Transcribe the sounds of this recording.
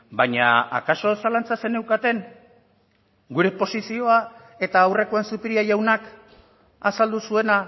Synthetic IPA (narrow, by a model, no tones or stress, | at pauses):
baɲa̰a̰kaso̞salant͡sase̞ne̞wkat̪e̞ŋ | ɡuɾe̞po̞sisio̞a | e̞t̪aːwre̞ko̞ensupiɾiajawnak | asald̪usue̞na